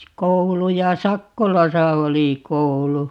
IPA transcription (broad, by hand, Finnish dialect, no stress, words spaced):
koulu jɑ sɑkːolɑsɑ oli koulu